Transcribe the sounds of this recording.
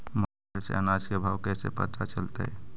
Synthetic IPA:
mə | ɛsḛənasjəbʱawkɛsḛpə̰t̪at͡ʃəlt̪ḛ

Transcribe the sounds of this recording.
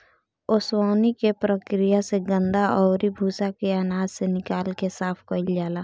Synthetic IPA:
ʊswaːnikepɾəkɾɪjaseɡə̃nd̪aʔɔːɾibʱuːsakeaːnaːzsenɪkaːlkesaːpʰkəɪld͡ʒaːlaː

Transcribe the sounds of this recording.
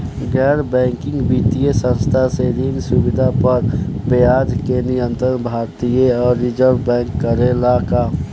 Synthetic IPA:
ɡɛːɾbɛ̃ːŋkɪ̃ŋɡbit̪ijesə̃nst̪ʰaseɾiːnsubɪd̪ʱapəɾbejaːd̪kenɪjə̃nt̪ɾənbʱaːɾt̪ijeɔːɾːɪd͡ʒəɾʋbɛ̃ːŋkːəɾelaka

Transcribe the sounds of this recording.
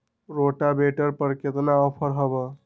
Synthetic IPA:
ɾoʈabeʈəɾpəɾket̪naɔpʰəɾɦəʋə

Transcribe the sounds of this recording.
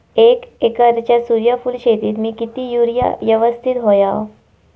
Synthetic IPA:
ekekəɾt͡ɕjasuɾjafuːlɕet̪iːt̪miːkit̪iːjuɾja̰jəʋəst̪ʰit̪ɦoja

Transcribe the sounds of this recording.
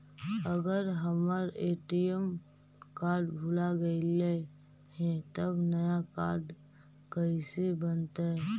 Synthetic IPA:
əɡəɾɦəməɾeːʈijəm | kaːɾɖbʱuːlaɡəile | ɦɛ̃t̪əbnɐjaka̰ːɾɖ | kəisebənt̪aɦɛ

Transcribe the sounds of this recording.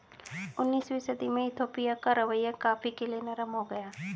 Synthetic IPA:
ʊnːiːswisəd̪imẽɪt̪ʰoːpijakaɾɐʋəjːakaːfikelienɐɾəmɦoɡɐjaː

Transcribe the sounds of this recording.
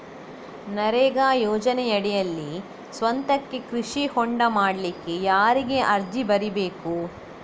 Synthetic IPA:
nɐɾeːɡaːjɔːd͡ʒɐnejɐɽɛjɐlːi | sʋɐnt̪ɐkːekɾiʂihɔɳɖɐmaːɽlikːe̞jaːɾiɡe̞ʔɐɾd͡ʒibɐɾibeːku

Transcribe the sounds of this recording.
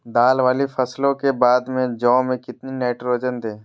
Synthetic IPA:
d̪aːlʋaːlifʰɐslõkebaːd̪mẽd͡ʒɔ̃ːmẽkɪt̪ninɛːʈɾoːd͡ʒənt̪ʰeː

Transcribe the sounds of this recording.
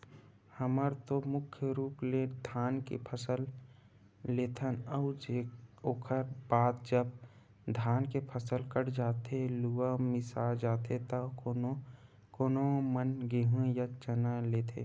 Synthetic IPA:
həməɾt̪omʊkʰjəɾuːpled̪ʱaːnkḛpʰəsəlː | eːt̪ʰənəʊd͡ʒeoːkʰəɾbaːt̪̚d͡ʒəb | d̪ʱaːnkepʰəsəlkəɽd͡ʒaːt̪eluwamɪsad͡ʒaːt̪et̪ɐ | koːnomənɡeɦũjat͡ʃənaleːt̪ʰḛ

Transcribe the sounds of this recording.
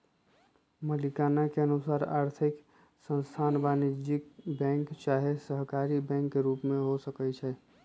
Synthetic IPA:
məlikanakeənusaɾa̰ɾt̪ʰik | sə̃nst̪ʰanbanid͡ʒikbɛ̃ŋkt͡ʃaɦesəɦkaɾibɛ̃ŋkːeɾupmeɦosəkɛt͡ʃʰɛ

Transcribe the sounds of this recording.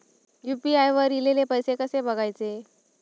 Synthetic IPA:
jupiajʋəɾilelepəjsekəsebəɡʱajt͡se

